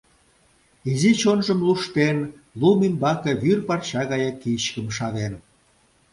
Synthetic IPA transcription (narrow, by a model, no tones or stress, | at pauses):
izit͡ɕonʒə̆mluʃt̪en | lumimbɑkĕβyrpɑrt͡ɕɑɣɑjɑkit͡ɕkə̆mʃɑðen